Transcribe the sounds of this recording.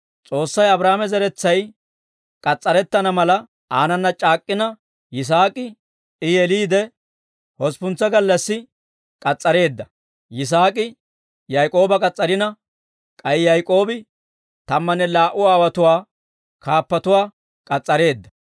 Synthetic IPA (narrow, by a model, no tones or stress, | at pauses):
t͡sʼo̞ːsːɐjɐbɾaːmɛzɛɾɛt͡sːɐj | kʼɐt͡sʼːɐɾɛt̪ːɐnɐmɐlɐ | aːnɐnːɐt͡ʃʼaːkʼːɪnɐ | jɪs̬aːkʼɪ | ɪjɛliːd̪ɛ | hɔspʊnt͡sːɐɡɐlːɐsːɪ | kʼɐt͡sʼːɐɾe̞ːd̪ːɐ | jɪs̬aːkʼɪ | jɐjkʼo̞ːbɐkʼɐt͡sʼːɐɾɪnɐ | kʼɐjɪjɐjkʼo̞ːbɪ | t̪ɐmːɐnːɛlaːʔʊaːwɐt̪ʊwaː | kʰaːpːɐt̪ʊwaː | kʼɐt͡sʼːɐɾe̞ːd̪ːɐ